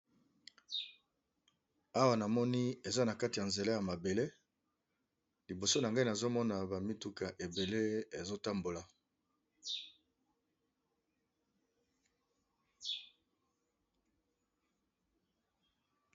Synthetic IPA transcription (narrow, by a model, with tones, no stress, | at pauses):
a˦wa˨na˨mɔ˦ni˦e˨za˦na˨ka˦ti˨ja˨nze˨la˦ja˨ma˨be˨le˦ | li˨bo˨so˦na˨ŋɡa˦i˦na˨zo˦mɔ˦na˨ba˨mi˦tu˦ka˨ʔe˨be˨le˦e˨zo˦ta˦mbo˨la˨